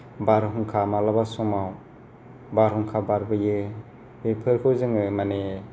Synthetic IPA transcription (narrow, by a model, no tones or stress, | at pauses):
baɾɦuŋkʰamalabasɔmaw | baɾhuŋkʰabaɾbɯje | bepʰɯɾkʰɯzɯŋɯmane